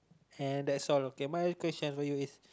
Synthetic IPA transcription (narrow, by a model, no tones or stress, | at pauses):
ɛ̃ndɛtsɔlokemajkwɛst͡ʃə̃nfɔjuis